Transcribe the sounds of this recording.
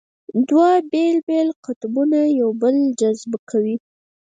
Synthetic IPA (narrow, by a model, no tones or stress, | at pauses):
d̪wabelbelqʊt̪bunajawbəld͡ʒazbkʰawi